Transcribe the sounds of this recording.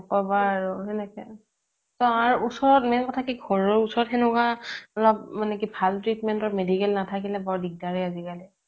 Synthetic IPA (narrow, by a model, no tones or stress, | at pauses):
ɔkɔbaɹuɦɛnɛkɛ | tɔaɹuusɔɹɔt̚mɛnkɔtʰakiɡʱɔɹɔusɔɹɔtɦɛnʊkaɔlɔp̚manɛk̬ibʱaltɹitmɛntɔɹmedikɛlnatʰakilɛbɔɹdik̚daɹiazikalɛ